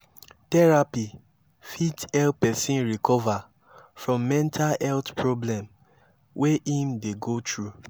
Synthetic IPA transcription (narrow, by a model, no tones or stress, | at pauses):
tɛɹapi | fitɛltpɛsĩnɹikɔva | fɹɔ̃mːɛ̃ntʰalɛltpʰɹoblɛ̃m | wʔeʔĩmdeɡotɹu